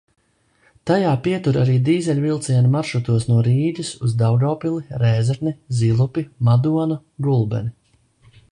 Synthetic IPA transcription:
t̪ajaːpiɛt̪uɾaɾiːd̪iːzɛlʲvilˠt̪siɛnimaɾʃɾut̪uɔsnuɔɾiːd̪ʲisuzd̪awɡawpilˠiɾɛːzɛɾnizilˠupʲimad̪uɔnu | ɡulˠbɛ̰ni

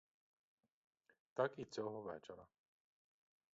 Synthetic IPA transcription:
t̪ɑkit͡sʲɔɦɔʋɛt͡ʃeɾɐ

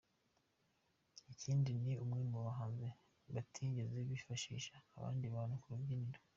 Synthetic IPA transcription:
iciːndiniumŋemuβaɦaːnze | βatʰiːɲɟezeβifaʃḭːʃaːβa̰ːndiβaːnukuɾuvɟiniɾo

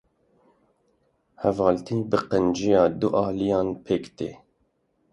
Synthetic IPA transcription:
hɛvɑːlt̪ʰiːbɨqənd͡ʒijɑːd̪uʔɑːlijɑːnpʰekt̪ḛː

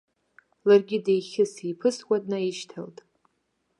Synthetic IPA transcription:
larɡʲɪdejχʲɪsijpʰɨskʷadnaiʃtʰaltʼ

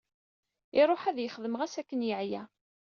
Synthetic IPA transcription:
ɪɾˤoħæðjəχəðəməʁæsækːənjəʕjæ

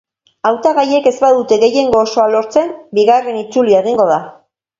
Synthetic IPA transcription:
awt̪aɣaje̞ke̞zbaðut̪e̞ɣe̞je̞ŋɡo̞ːso̞alo̞ɾt͡se̞mbiɣare̞nit͡sulieɣiŋɡo̞ð̞a

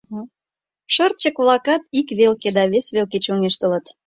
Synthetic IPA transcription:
ʃərt̪̚t͡ɕəkβlˠɑkɑt̪ikβelked̪ɑβesβelket͡ɕuŋeʃt̪ə̆lət̪

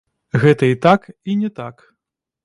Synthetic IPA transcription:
ɣɛt̪ɐit̪akinʲɛt̪ak

